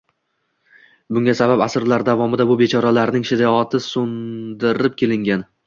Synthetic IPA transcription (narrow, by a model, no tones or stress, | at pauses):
bʊŋɡʲasabapasɾlaɾd̪avɒmɪd̪abʊbet͡ʃʰɒɾalaɾnɪŋʃɪd̪iɒt̪ʰɪsʊnd̪ɪɾɪp̚kʲʰe̞lɪŋɡʲan